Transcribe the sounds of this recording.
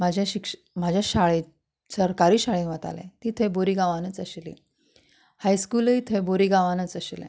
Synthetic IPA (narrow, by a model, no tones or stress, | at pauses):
m̤ad͡ʑʱaɕikʂ | m̤ad͡ʑʱjaɕaɭe | səɾkaɾiːɕaɭeʋət̪a̰lḛ̃t̪it̪ʰeboɾiːɡaʋanət͡səɕlḭ | hajskuːləit̪ʰeboɾiːɡaʋanət͡səɕlɛ̰̃